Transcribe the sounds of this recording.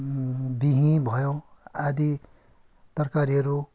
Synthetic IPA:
biɦĩbʱʌjõad̪i | t̪ʌrkaɾiɦʌɾu

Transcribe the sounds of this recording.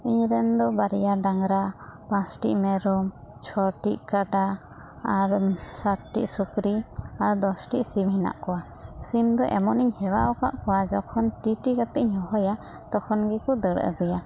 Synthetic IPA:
iɲɾɛnd̪ɔbaɾijaɖaŋɾapãsʈḭʔmɛɾɔmt͡ʃʰɔʈiʔkaɖa | aɾsaʈʈḭʔsukɾiaɾd̪ɔsʈiʔsimhina̰ʔkɔwa | simd̪ɔʔɛmɔniɲhɛwaʔɔka̰ʔkɔwad͡ʒɔkʰɔnʈiʈikat̪ɛʔɲhɔɦɔja | t̪ɔkʰɔnɡikɔd̪əɽə̰ɡuja

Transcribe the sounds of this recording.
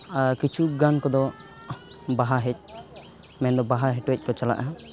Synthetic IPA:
kit͡ʃʰuɡankɔd̪ɔ | baɦaɦɛc̚ˀ | mɛnd̪ɔbaɦaɦɛʈwɛc̚ˀkɔt͡ʃala̰ʔaɦa

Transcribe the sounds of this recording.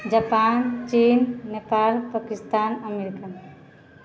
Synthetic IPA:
d͡ʒapaːnt͡ʃinːepaːlpəkist̪aːnəmeɾikan

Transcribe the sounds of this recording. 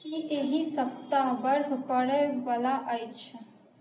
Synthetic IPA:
kiʔeɦisəp̚t̪abəɾɦkəɽɛʋalaʔəjt͡ʃʰ

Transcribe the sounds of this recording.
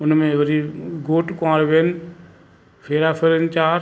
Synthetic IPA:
ʊnmẽʋɐɾiɡoːʈkãːɾʋeːn | fʰeːɾaːpʰeɾənt͡ʃaːɾ

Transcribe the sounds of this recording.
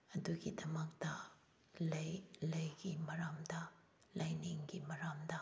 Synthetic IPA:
ɐduɡidɐmɐk̚tɐ | lɐjlɐjɡimɐɾamdɐ | lʔajniŋɡimɐɾamdɐ

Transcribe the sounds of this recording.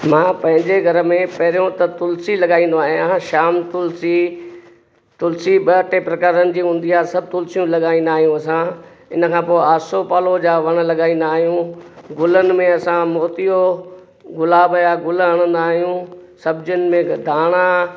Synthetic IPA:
mãːpɐ̃ɦɪ̃ɲd͡ʑeɡʱɐɾmẽpɐɦɪɾijõt̪ɐt̪ʊlsilɐɠaːĩnd̪oaːɦij̃ãʃaːmt̪ʊlsi | t̪ʊlsiɓɐʈepɾɐkaːɾənɪ̆d͡ʑiːɦũːn̆d̪iaːsɐb̚ʱt̪ʊlsijũlɐɠaːĩːn̆d̪aːɦjũɐsã | ɪnə̆kʰãːpoːɪaːsopaːlod͡ʑaːʋɐɽ̃ə̆lɐɠaːĩːnd̪aːɦijũɡʊlənɪ̆mẽɐsãmoːt̪ijo | ɡʊlaːbjaɡʊləɦɐɽ̃ə̃nd̪aːɦijũsɐbʱd͡ʑʊnɪ̆mẽd̪ʱaːɽ̃a

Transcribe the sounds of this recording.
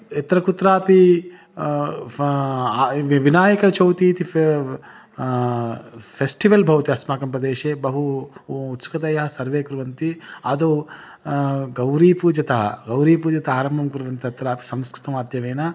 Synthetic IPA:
et̪ɾɐkut̪ɾaːpi | ʋinaːjɐkɐt͡ʃɐwt̪iːt̪i | pʰesʈiʋɐlbʱɐwt̪iɐsmaːkɐmpɾɐd̪eːʃeːbɐɦuːt̪su̥kɐt̪ɐjɐɦɐsɐɾʋeːkuɾʋɐnt̪iɐd̪o | ɡɐwɾiːpud͡ʒɐt̪ɐɦɐ̰ɡɐwɾiːpud͡ʒɐt̪ɐaːɾɐmbʱɐmkuɾʋɐnt̪iɐt̪ɾaːpi̥sɐmskɾɪ̥t̪ɐmaːd̪jɐʋeːnɐ

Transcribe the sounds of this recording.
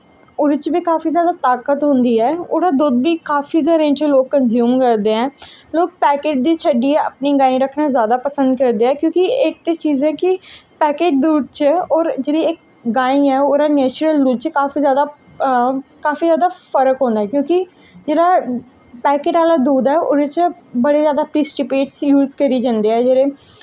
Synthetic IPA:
ʊɾɪt͡ʃbiːkaːfiːzjaːd̪aːt̪aːkət̪ɦʊ̃nd̪iːɛːoːɾaːd̪uːd̪̚biːkaːfiːɡʱəɾẽːt͡ʃəloːkkːənzjuːmkəɾd̪eːɦɛ̃ːloːk̚pɛːkeːd͡ʒd̪iːt͡ʃʰəɖiːɛə̰pniːɡãːĩːɾəkʰnaːzjaːd̪aːpəsə̃nd̪kəɾd̪eːɛːkjõːkɪɪk̚t̪eːt͡ʃiːzɛːkɪpɛːkeːd͡ʒd̪uːd̪̚t͡ʃɔːɾd͡ʒeːɽiɪk̚ | ɡaːĩɛːoːɾaːnɛːt͡ʃɾəld̪uːd̪̚t͡ʃkaːfiːzjaːd̪aː | kaːfiːzjaːd̪aːpʰəɾəkɦõːnd̪aːɛːkjõːki | d͡ʒeːɽaː | pɛːkeːʈaːlaːd̪uːd̪ɛːʔoːɾet͡ʃəbəɽeːzjaːd̪aːpɾiːsʈɪpeːʈsjuːzkəɾiːd͡ʒãːnd̪iːɛːd͡ʒeːɾẽː

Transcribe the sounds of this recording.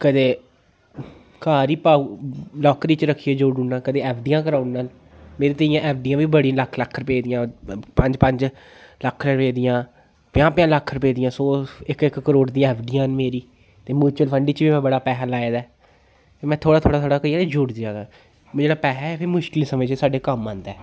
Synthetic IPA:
kəd̪eː | kaːɾiːpaːlɔːkɾiːt͡ʃɾəkʰːiːeːd͡ʒoɖuːnãːkəd̪eːɛːpʰɖiːãːk̬əɾãːʊnnaːl | meːɾeːt̪əijãːʔɛːpʰɖijãːʋiːbəɽiãləkʰləkʰːɾpeːd̪ɪjãːpəɲd͡ʒpəɲd͡ʒ | ləkʰːɾɛ̃ɾpeːd̪ɪjãː | pɪjãːpɪjãːləkʰːɾʊpeːd̪ɪjãːsoːɪkɪkːəɾoːɽd̪ĩãɛːpʰɖijãːnmeːɾiː | t̪eːmjuːt͡ʃuːəlpʰəɳɖiːt͡ʃʋiːmɛ̃ːbəɽaːpɛːɦɛːlaːeːd̪aː | t̪eːmɛ̃ːt̪ʰoːɽaːt̪ʰoːɽaːt̪ʰoːɽaːkəiːaːt̪eːd͡ʒʊɽd̪aːɡaː | mʊd͡ʒeːnaːpɛːɦɛɛpʰɪːmʊʃkɪlsəmẽːt͡ʃesaːɖeːkəmãːnd̪ɛː

